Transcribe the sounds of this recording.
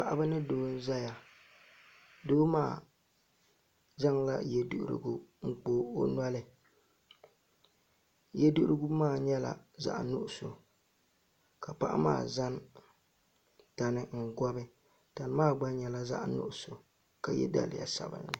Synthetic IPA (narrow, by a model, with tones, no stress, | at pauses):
pa˨ʔa˦bɨ˦nɨ˦doː˦n̩˦za˦ja˨ | doː˦maː˦˨ | za˦ŋla̰˦je˨dṵ˦˨ʔṵ˦ɾɨ̰˦ɡu˦ŋ̩˦k͡poː˦o˦nwa˦lɪ˦ | je˦du˦ʔu˦ɾɨ˦ɡu˦maː˦˨ɲɛ˦la̰˨za̰˨ʔnʊ˦ʔʊ˨so˨ | ka˨pa˦ʔa̰˦ma̰ː˦˨za˦n | ta˨nɪ˦ŋ̩˨ɡɔ˦bɪ˦ | ta˨nɨ˦maː˦˨ɡ͡ba˦ɲɛ˨la˦za̰˦ʔnʊ̰˦ʔʊ˨so˨ | ka˨jɛ̰˦da̰˦˨lɪ̰˨ja̰˨sa˨bɨ̰˨nːɪ˨